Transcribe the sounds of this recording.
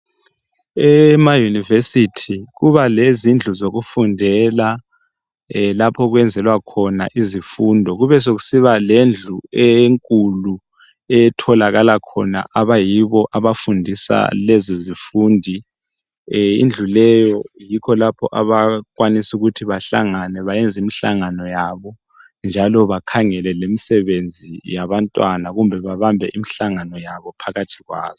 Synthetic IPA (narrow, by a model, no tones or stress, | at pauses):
ɛmajunivesitʰiɣuβalezind͡ɮʱuzoɣufundʱɛla | lapʰɔɣwɛnd͡zʱɛlwakʰɔna̰ʔizifundʱɔɣuβɛs̬oɣu̥siβalend͡ɮʱuɛŋkʼulu | ɛtʰɔlaɣalakʰɔ̰na̰ʔaβajiβɔʔaβafundʱisa̰lɛzɔzifuːndʱi | ḭnd͡ɮʱulɛjɔjikʰɔlapʰɔ̰ʔaβakwanisuɣutʰiβaɬa̰ŋanɛβajɛnd͡zʱimiɬaŋanɔjaβɔ | nd͡ʒʱalɔβakʰaŋɛlɛlemisɛβend͡zʱijaβantʼwanaɣumbʱɛβaβambʱɛʔimiɬaŋanɔjaβɔpʰaɣatʰiɣwa̰ːzɔ